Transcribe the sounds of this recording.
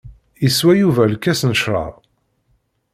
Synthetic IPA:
iswæjuvælkːæsnəʃɾˤɑ̰ˤ

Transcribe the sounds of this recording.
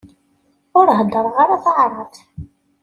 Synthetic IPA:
ʊɾɦəd̪ːəɾˤʁaɾaθaʕɾˤɑθ

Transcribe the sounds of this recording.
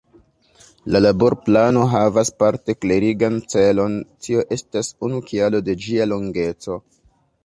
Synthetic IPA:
lalaboɾplano̞ɦavaspaɾte̞kleɾiɡant͡se̞lo̞ntʰio̞ʔe̞stasunukialo̞de̞d͡ʒialo̞ŋɡe̞t͡so̞

